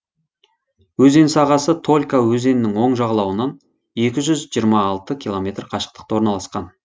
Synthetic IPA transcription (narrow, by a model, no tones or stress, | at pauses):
wɵze̞nsɑʁɑsət̪ʰo̞lʲkawɵze̞nɪnɪŋwo̞ɴʒɑʁlˠɑwənɑn | e̞kʲɪʒʏzʒijəɾmɑːlˠt̪əkʲʰilˠo̞mʲe̞t̪rqʰɑʃə̥q̚t̪ə̥qt̪ɑwo̞ɾnɑlˠɑsqɑn